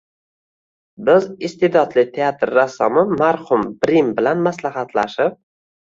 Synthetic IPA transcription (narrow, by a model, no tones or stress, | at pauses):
bɪzɪst̪ed̪ɒd̪lɪt̪ʰeat̪ɾːasɒmɪmaɾhʊmbɾimbɪlanmaslaɦat̪ʰlaʃɪp̚